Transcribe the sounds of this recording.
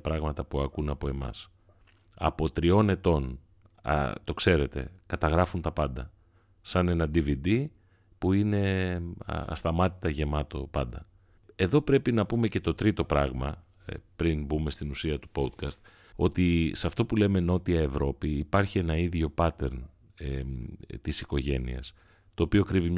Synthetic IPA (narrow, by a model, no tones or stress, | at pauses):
pɾɐɣmɐt̪ɐpuɐkunɐpo̞e̞mɐ̰s | ɐ̰pot̪ɾio̞ne̞t̪o̞n | ɐ̰t̪o̞kse̞ɾe̞t̪e̞̰kɐt̪ɐɣɾɐfunt̪ɐpɐnd̪ɐ | sɐne̞nɐd̪ivid̪i | puine̞̰ | ɐ̰st̪ɐmɐt̪i̥t̪ɐʝe̞mɐt̪o̞pɐ̰nd̪ɐ | e̞ðo̞pɾe̞pinɐpume̞ce̞t̪o̞t̪ɾit̪o̞pɾɐɣmɐ | pɾinbume̞st̪inusiɐt̪u̥po̞d̪kɐst̪ | o̞̰t̪isɐft̪o̞pule̞me̞no̞t̪iɐevɾo̞piːpɐɾçie̞nɐiðʝo̞pɐt̪e̞ɾn | t̪isiko̞ʝe̞nḭɐ̰s | t̪o̞ːpiokɾivimɲ